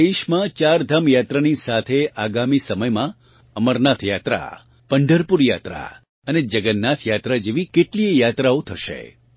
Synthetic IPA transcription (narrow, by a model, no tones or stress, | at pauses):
eʃmãt͡ʃaɾd̪ʱamjat̪ɾanisat̪ʰeaɡamisəməjmã | əməɾnat̪ʰjat̪ɾa̰ | pəɳɖəɾpuɾjat̪ɾa̰ | əned͡ʒəɡənːat̪ʰjat̪ɾad͡ʒeʋikeʈliejat̪ɾaot̪ʰəʃḛ